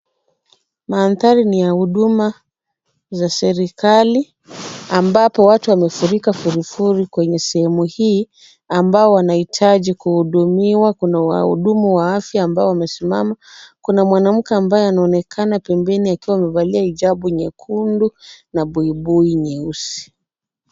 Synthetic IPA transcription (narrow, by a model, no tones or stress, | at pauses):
maːnθaɾinijahuɗuma | zasɛɾikali | ambapɔwatuwamɛfuɾikafuɾifuɾikwɛɲɛsɛhɛmuhiː | ambaɔwanahitʰaʄikuhuɗumiwakunawa̰hṵɗumuwaafjaːmbaɔwamɛsimamakunamwanam̩kɛambajɔanaɔnɛkʰanapɛmbɛniakiwawamɛvaliaiʄaɓuɲɛkʰundunaɓuiɓuiɲɛusi̥